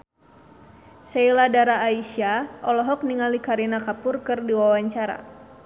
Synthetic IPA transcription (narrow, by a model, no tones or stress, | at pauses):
sɛiladaɾaːisiaʔɔlɔɦɔk̚niŋalikaɾinakapʊrkɨrdiwawaɲt͡ʃaɾa̰